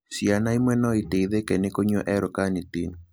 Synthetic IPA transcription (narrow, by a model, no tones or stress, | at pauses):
sjanaimwɛnɔiteiðekɛnekoɲoʔɛɾɔkanɪtin